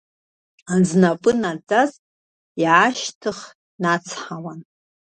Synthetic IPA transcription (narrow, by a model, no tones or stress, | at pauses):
aznapʼɨnat͡sʼaz | iʕaʃtʰɨχ | nat͡sʰħawan